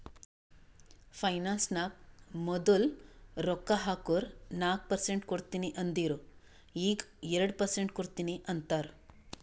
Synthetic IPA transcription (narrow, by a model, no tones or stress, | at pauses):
pʰɐjnaːnsnaːk̚mɔd̪ulɾɔkːaɦaːkoɾnaːk̚pɐɾseɳʈkoɽt̪iːniʔɐnd̪iːɾu | iːɡɛɾɐɽpɐɾseɳʈkoɽt̪iːniʔɐnt̪aːɾ